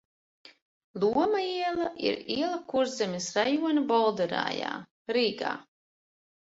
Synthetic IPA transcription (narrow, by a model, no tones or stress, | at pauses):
lˠuɔmaiɛlˠaʔḭɾiɛlˠakuɾzɛmʲisɾajuɔnʲibɔlˠd̪ɛɾa̰ːja̰ː | ɾiːɡa̰ː